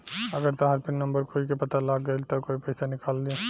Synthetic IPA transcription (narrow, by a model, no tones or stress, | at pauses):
ɐɡəɾt̪aɦaɾpɪnnɐ̃mbəɾkoːikepɐt̪alaːɡɡɐelt̪ɐkoːipɛɪsanɪkaːldĩ